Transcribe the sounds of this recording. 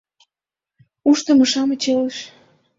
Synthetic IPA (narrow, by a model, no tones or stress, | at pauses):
uʃt̪ə̆mə̆ʃɑmet͡ɕeleʃ